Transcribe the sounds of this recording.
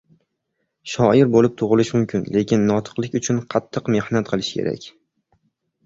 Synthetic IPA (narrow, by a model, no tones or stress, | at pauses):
ʃɒɪɾbolɪp̚t̪ʰʊʁɨlɪʃmʊmkʲʰɪnle̞kʲɪnːɒt̪ʰɨ̥qlˠɪkʲʊt͡ʃʰʊnqʰɑt̪ʰːɨqme̞hnat̪̚qʰɨlˠɪʃkʲʰe̞̰ɾa̰kʲ